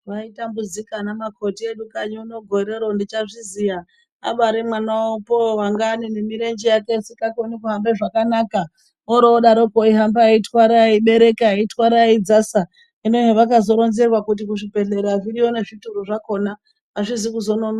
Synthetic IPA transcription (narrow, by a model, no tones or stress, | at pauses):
ʋaitambud͡zikanamako̞tieɗukaɲuːno̞ɡʱo̞ɾe̞ɾondit͡ʃaʐizija | a̰ɓaɾemwanaopowaŋɡaːninemiɾend͡ʒijakesikakonikuɦambe̞ʐakanaka | oɾoːɗaɾo̞poiɦambaitwaɾaiɓe̞ɾe̞keaitwaɾaid͡zasa | inoɦeʋakazo̞ɾo̞nzerwakut̬ikuʐipe̞ɬeɾaʐiɾione̞ʐituɾuʐako̞na | aʂizikuzo̞nono